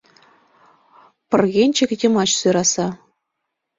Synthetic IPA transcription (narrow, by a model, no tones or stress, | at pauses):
pɘ̆rɣʲenʲt͡ɕɘ̆kʲjʲɘ̆mɑt͡ɕsyɾɑsɑ